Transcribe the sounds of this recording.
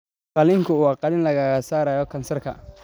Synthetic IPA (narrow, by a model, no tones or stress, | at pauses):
qɑlɪŋkʰʊuɑqɑlɪnlɐɣaːɣɐsaːɾaːjɔkʰɐnsɐrkʰɐ̰